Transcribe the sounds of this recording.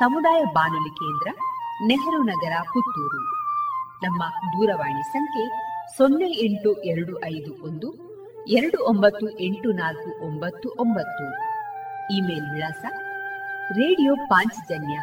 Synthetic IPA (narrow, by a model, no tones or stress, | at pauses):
sɐmud̪aːjɐbaːnulikeːnd̪ɾɐneɦɐɾunɐɡɐɾɐkut̪ːuːɾu | nɐmːɐd̪uːɾɐʋaːɳisɐŋkʰe̞sonːeeɳʈuʔɛɾɐɽuʔɐjd̪uʔond̪u | ɛɾɐɽuombɐt̪ːuʔe̞ɳʈunaːlkuʔombɐt̪ːuʔombɐt̪ːu | iːme̞ːlʋiɭaːsɐ | ɾeːɽijoːpaːɲt͡ʃd͡ʒɐnjɐ